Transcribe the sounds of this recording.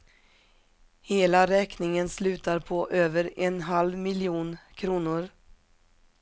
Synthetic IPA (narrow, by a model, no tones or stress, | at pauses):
heːlaɾɛːknɪŋənslʉ̟ːt̪aɾpʰɔʔøːvəɾɛnɦalvmɪljuːnkʰɾuːnʊɾ